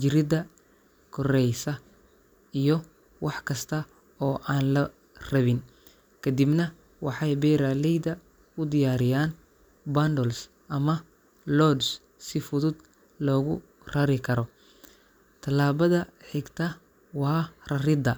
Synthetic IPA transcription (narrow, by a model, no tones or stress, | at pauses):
d͡ʒɪɾɪd̪ɐ | kʰɔrɛjsɐ | ijɔ | wɑħkʰɐst̪ʰɐ | ɔːʔaːnlɐ | rɐβɪn | kʰɐd̪ibnɐ | wɑħɑjbɛːɾaːlɛjd̪ɐ | ʊd̪ɪjaːɾɪjaːn | band̪ɔls | ʔɐmɐ | lɔd̪s | sɪfʊðʊd̪ | lɔːɣʊ̰ | rɐɾɪkʰɐɾɔ | t̪ʰɐlaːβɐðɐħɪɡt̪ʰɐ | wɑːrɐrɪd̪ɐ